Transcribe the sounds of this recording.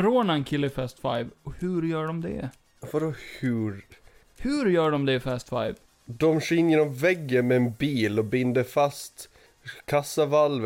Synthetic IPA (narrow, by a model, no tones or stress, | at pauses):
ɾoːnaɛnkʰɪlːəɪfæːst̪fajvɔhɵɾjœːɖɔmd̪ɛ̰ | foɾɔhʉɾ | hɵɾjœːɖɔmd̪ɛfæːst̪fa̰jv | d̪ɔmʂɪnjɛːnɔmvɛɡːəmɛːnbiːlɔbɪnd̪əfast̪ | kʰasːavalv